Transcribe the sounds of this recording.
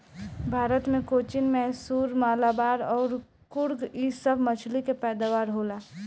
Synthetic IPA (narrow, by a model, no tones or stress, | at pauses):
bʱaːɾət̪mẽkoːt͡ʃɪnmɛɦsuːɾmaːlabaːɾɔːɾ | kʊɾɡiːsəbʱmət͡ʃʰlikepɛːd̪aʋaːɾɦoːlaː